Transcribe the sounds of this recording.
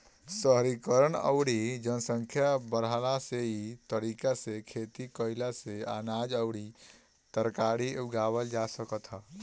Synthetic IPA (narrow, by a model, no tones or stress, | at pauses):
səɦɾikəɾənə̰ʊɽid͡ʒənsə̃ŋkʰjabəɾalaseit̪əɾiːkasekʰeːt̪ikəɪlaseaːnaːd͡ʒəʊɽi | t̪əɾkaːɾiuɡaːwəld͡ʒasəkət̪ɦa